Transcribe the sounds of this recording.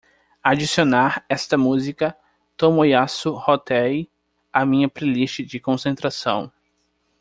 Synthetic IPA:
ad͡ʒisionaɾɛst̪ɐmuzikɐ | t̪õmojasuhot̪ɛj | amĩɲɐpɾeliʃt͡ʃɪd͡ʒɪkõsẽnt̪ɾasɐ̰̃w̃

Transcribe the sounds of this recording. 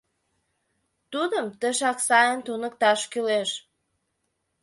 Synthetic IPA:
t̪ud̪əmt̪ə̆ʃɑksɑjənt̪unə̆k̚t̪ɑʃkyleʃ

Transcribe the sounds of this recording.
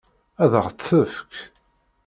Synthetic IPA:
æðəʁt͡s̪ːəfk

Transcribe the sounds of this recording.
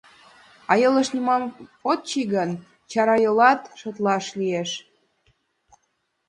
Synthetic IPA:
ɑjɤləʃnʲimɑmot̪̚t͡ɕiɣən | t͡ɕɑɾɑjolɑt̪ʃot̪lɑʃlieʃ

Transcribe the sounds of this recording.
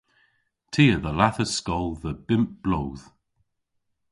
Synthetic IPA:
tʰiːəðəlaθəskɔlˠðəb̥ɪmp̚b̥loːð̥

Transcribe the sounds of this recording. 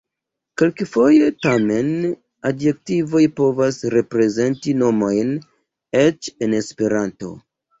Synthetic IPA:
ke̞lkefo̞je̞tame̞n | adje̞k̚tivo̞jpo̞vasɾe̞pɾe̞ze̞ntino̞mo̞jn | e̞t͡ʃe̞ne̞spe̞ɾanto̞̰

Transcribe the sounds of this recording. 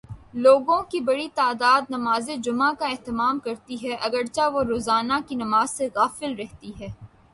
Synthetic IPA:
loːɡõkibɐɽit̪aːd̪aːd̪̚nɐmaːzẽd͡ʒʊmakaɛɦt̪ɪmaːmkɐɾt̪iɦɛʔɐɡəɽt͡ʃaʋoɾoːzaːnakinɐmaːz̥seɣaːfɪlɾɛɦt̪iɦɛː

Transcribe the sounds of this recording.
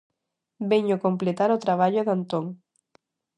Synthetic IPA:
beɲokomplet̪aɾot̪ɾaβ̞aʎoðant̪oŋ

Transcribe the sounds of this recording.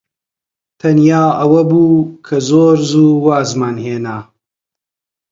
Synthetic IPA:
t̪ʰɐnjaːɐwɐbuːkʰɐzoːɾzuːwaːzmaːnheːnaː

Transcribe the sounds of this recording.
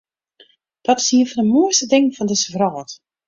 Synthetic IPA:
d̥ɔtɪ̥siənfɔndəmuəstədɪŋfɔndɪsəvrɔːt

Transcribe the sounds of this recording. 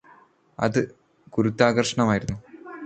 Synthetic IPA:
ɐ̰ðɨ | kuɾut̪ːaːɣɐrʂɐɳɐmaːjiɾunːu

